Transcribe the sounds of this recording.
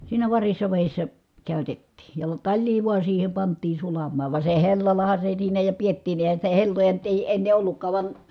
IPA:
siːnæ ʋɑrisːɑ ʋeˑisːæ kæˑytetːiː jɑ tɑlʲliː ʋuɑ siːhe pɑntˑiːn̞ sulɑmːɑː ʋɑ se helːɑlɑhɑ se siːnæ jɑ pietːiːnˑi ʔeˑi̯hæn̞ sitæ helːojɑ nyt eˑi enːe ʔolːukːɑː ʋɑn

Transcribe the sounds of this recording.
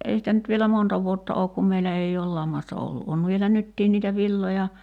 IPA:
ei sitæ nyt ʋielæ montɑ ʋuotːɑ oːk kum meilæ ei oːl lɑmːɑstɑ olːu ʔon ʋielæ nytːiːn niːtæ ʋilːojɑ

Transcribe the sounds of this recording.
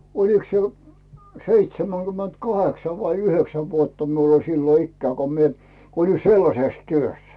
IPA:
oliks se seitsemæŋɡ̊ymːent kɑheksɑ ʋɑi yhøksæ ʋuotːɑ miul olʲ silːo ikːæː ko mie olin selːɑses tyøs

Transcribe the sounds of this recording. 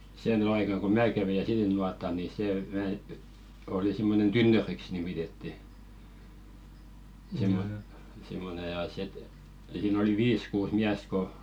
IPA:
seˑ ny ɑikɑ ko mæː kæʋi jɑ silːinuɑtˑɑl ni seˑ ʋæ oli simːonen tynːøriks nimitetːi simːo simːone jɑ sit siːn oli ʋiːs kuːs miæst̆ ko

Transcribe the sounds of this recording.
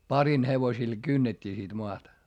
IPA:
pɑrin heʋosil kynːetʲːiː sit moɑtɑ

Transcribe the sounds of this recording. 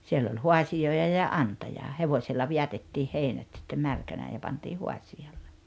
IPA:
sielː olʲ huɑsioˑijɑ jɑ ʔɑntɑjɑ heʋoilːɑ ʋiætetːiːh heinæt sitːem mærkænæː jɑ pɑnti huɑsiɑlːe

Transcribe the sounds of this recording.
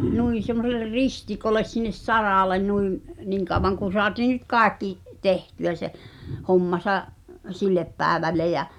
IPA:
nuin̞ semːoselˑer ristikoles sinːes sɑrɑˑlen nuim niːŋ kɑˑw̆ʋɑŋ kun̞ soɑtiː nyt kɑˑekːi tehtyæ se homːɑsɑʔ silːep pæːĕʋælːe jæ

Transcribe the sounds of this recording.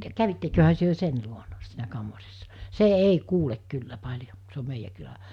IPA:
kæʋitːekøhæ tyø sen luonɑ siːnæ kɑmːɑrisːɑ se ei kuːlek kylːæ pɑlʲjo se om meijæ kylæ

